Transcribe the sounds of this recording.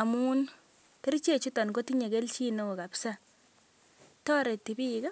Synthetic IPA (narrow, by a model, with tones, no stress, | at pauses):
a˨muː˦n | te˦ɾit͡ʃe˦˨t͡ʃu˦tɔ˨nko˦ti˦ɲe˨ke˦lt͡ʃi˦no˦o˨ka˨psa˦ | tɔ˦ɾe˨tːi˨bi˦ka˦